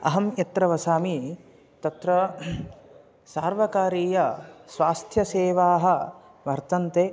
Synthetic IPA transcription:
ɐ̰ɦɐmjɐt̪ɾɐʋɐsaːmi | t̪ɐt̪ɾɐ | saːɾʋɐkaːɾiːjɐsʋaːst̪ʰjɐseːʋaːɦɐ̆ | ʋɐɾt̪ɐnt̪eː

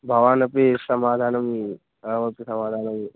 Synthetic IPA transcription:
bʱɐʋaːnɐpesɐmaːd̪ʱaːnɐmi | ɐʋɐpisɐmaːd̪ʱaːnɐmi

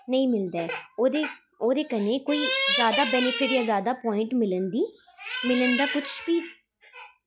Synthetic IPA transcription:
nəĩːmɪld̪aɛːoːd̪eːoːd̪eːkənẽːkoːiːzjaːd̪aːbɛnɪpʰɪʈjaːzjaːd̪aːpɔːɪ̃ɳʈmɪlənd̪iːmɪlənd̪aːkʊt͡ʃʰbiː

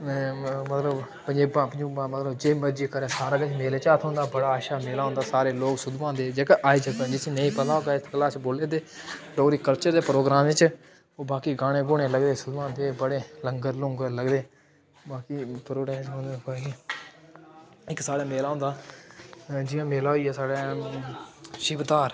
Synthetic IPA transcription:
mət̪ləb | pəɲd͡ʒeːbãːpəd͡ʒuːbãːmət̪ləbd͡ʒeːməd͡ʒiːkəɾɛːsaːɾaːɡət͡ʃmeːleːt͡ʃaːt̪ʰɦõːnd̪aːbəɽaːaːʃaːmeːlaːɦʊ̃nd̪aːsaːɾeːloːksʊd̪ʋãːd̪eːd͡ʒeːkːʔaːiːd͡ʒəkəd͡ʒɪsĩːnəĩːpət̪aːɦoːɡaːɪt̪kəlaːt͡ʃboːleːd̪eːɾoːɾiːkəlt͡ʃəɾd̪eːpɾoːɡɾãːmʋɪt͡ʃ | oːbaːkiːɡaːɽ̃ẽːɡʊɽ̃eːləɡd̪eːsʊd̪ʋãːd̪eːbəɽeːləŋɡəɾlʊ̃ːŋɡələɡd̪eː | baːkiːpəɾoːɾɛːt͡ʃɦõːnd̪eːkoki | ɪksaːɽaːmeːlaːɦʊ̃ːnd̪aː | d͡ʒɪjãːmeːlaːɦoiːɛːsaːɽeː | ʃɪbd̪aːɾ

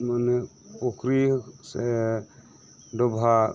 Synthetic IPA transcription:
manɛpɔkɾisɛ | dɔbʱa

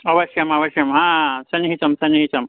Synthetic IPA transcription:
ɐʋɐʃjɐmɐʋɐʃjɐmɦãːsɐnɦit̪ɐmsɐnɦit̪ɐm

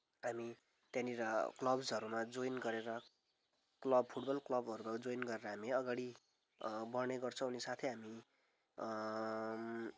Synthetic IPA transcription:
ɦami | t̪jãniɾʌklʌbsʌɾumad͡zojnɡʌɾeɾʌ | klʌbpʰuʈbʌlklʌbʱʌɾubʌd͡zojnɡʌɾeɾʌɦamiʌɡaɽi | bʌrneɡʌrt͡sʰʌ̃unisat̪ʰeɦami

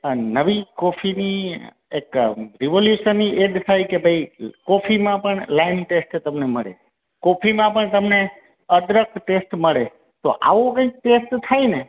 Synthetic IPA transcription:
ənəʋikɔfʰini | ekɾiʋoljuʃənːiʔeɖt̪ʰajkebʱəikɔfʰimãpəɳlaɪnʈesʈt̪əmneməɭḛ | kɔpʰimãpəɳt̪əmne | əd̪ɾək̪̚ʈesʈməɭe | t̪oʔa̰ʋokə̃ik̚ʈesʈt̪ʰajne

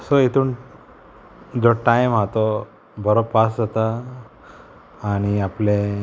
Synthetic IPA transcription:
sɔet̪ʰuːn | d͡zɔʈajmɦat̪ɔ | bəɾopːasd͡zat̪a | ɽ̃iaplẽ

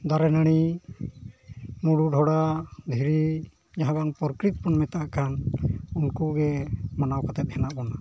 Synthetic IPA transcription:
d̪aɾɛnəɽ̃i | muɽuɖʱɔɽad̪ʱiɾi | d͡ʒaɦãbaŋpɔɾkɾit̪̚pɔnmɛt̪aʔkʰanunkuɡɛmanawkat̪ɛt̪̚hɛnaʔbɔna

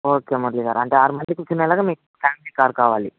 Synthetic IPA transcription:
oːkeːmɐɾliɡa̰ːɾɐɳʈeːaːɾimɐnd̪ikut͡ʃːuneːlaːɡaːmiːk | pʰaːmiliːkaːɾkaːʋaːlḭ

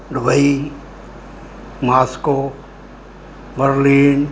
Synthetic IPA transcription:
ɖubəi | maːsko | bəɾliːn

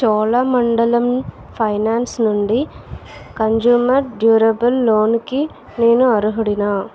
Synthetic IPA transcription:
t͡ʃɔːlamɐɳɖɐlɐm | pʰɐjnaːnsnuɳɖi | kɐnd͡ʒuːmɐɾɖjuːɾɐbɐlːoːnki | neːnuɐɾuɦɐɽinaː

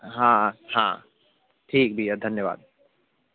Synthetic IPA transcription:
ɦãhã̰ | ʈʰiːk̚biəd̪ʱənjəba̰d̪̚

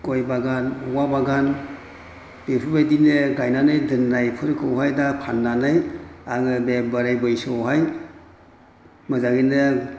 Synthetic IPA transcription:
kɔjbaɡanwabaɡan | bepʰɯbajdineɡajnanajdɯnːajpʰɯɾkʰɯwɦajdapʰanːanajaŋɯbebaɾajbɯjsɯwɦaj | mɯzaɡinɯ

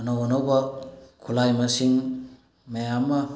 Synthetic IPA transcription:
ɐnowanowbakʰulajmasiŋ | mejamːa

